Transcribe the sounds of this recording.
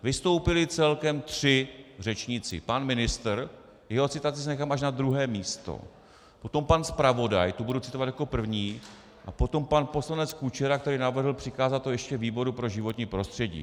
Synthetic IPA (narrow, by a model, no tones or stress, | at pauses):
vɪst̪o̞wpɪlɪt͡sɛlkɛmt̪r̝̥ɪr̝ɛt͡ʃɲɪt͡sɪ̰panmɪnɪst̪ɾ | jɛɦo̞t͡sɪt̪at͡sɪsɛnɛxamʔaʃnad̪ɾuɦɛːmiːst̪o̞̰ | po̞t̪o̞mpanspɾavo̞da̰jt̪ubudut͡sɪt̪ovat̪jako̞pr̩vɲiː | ʔapo̞t̪o̞mpanpo̞slanɛt͡skut͡ʃɛɾak̚t̪ɛɾiːnavr̩ɦl̩pr̝̥ɪkaːzat̪ːojɛʃcɛviːbo̞ɾupɾo̞ʒɪvo̞t̪ɲiːpɾo̞st̪r̝̥ɛɟḭː